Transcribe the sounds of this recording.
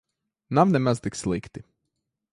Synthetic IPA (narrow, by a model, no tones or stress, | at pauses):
namnɛmazt̪ikslˠikt̪i